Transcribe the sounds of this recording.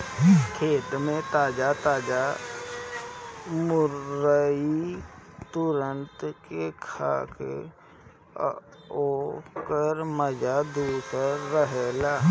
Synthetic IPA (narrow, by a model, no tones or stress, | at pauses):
kʰeːt̪mẽt̪aːd͡ʒat̪aːd͡ʒa | mʊɾəi | t̪ʊɾənt̪kekʰa̰ːkḛ | oːkəɾməd͡ʒad̪uːsəɾːəɦelaː